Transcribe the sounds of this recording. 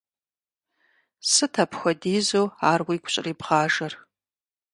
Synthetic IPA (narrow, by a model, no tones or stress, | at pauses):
sɨtʰɐpʰxʷɔdiːzoːaːrwikʷʊ̥ɕʼɪ̰riːbʁaːʒɐr